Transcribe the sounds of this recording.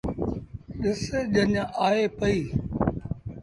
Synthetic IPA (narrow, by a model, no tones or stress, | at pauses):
ɗɪseʄəɲʔaːeːpəiː